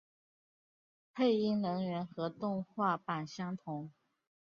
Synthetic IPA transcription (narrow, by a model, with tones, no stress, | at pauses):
pʰe˥˧ɪi˥˩ŋnɤ˧˥ŋɥɛ˧˥nxɤ˧˥t̪ʊ˥˧ŋxwa˥˩pa˨˩nɕjɑ˥ŋt̪ʰʊ˧˥ŋ